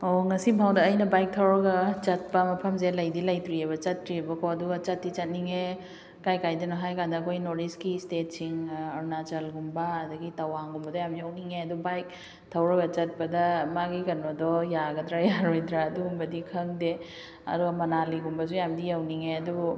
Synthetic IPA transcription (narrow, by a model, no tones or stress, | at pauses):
oŋɐsibʱawdɐːjnɐbajk̚tʰɐwɾɐɡɐt͡ʃɐt̚pɐmɐpʰɐmzelɐjdilɐjtɾiebɐt͡ʃɐtːɾiebɐkʰɔɐduɡɐt͡ʃɐtːit͡ʃɐt̚niŋe | kajkajdɐnɔɦajkandɐːkʰojnoɾdiskistet̚siŋɐɾnad͡ʒɐlɡumbɐːdɐɡitɐwaŋɡumbɐdɐjamjawniŋeɐdubajk̚ | tʰɐwɾɐɡɐt͡ʃɐt̚pɐdɐmaɡikɐnɐdɔjaɡɐdɾajaɾojdɾaːduɡumbɐdikʰɐŋde | ɐ̰duɡɐmɐnaliɡumbɐs̬ujamdijawniŋeɐduu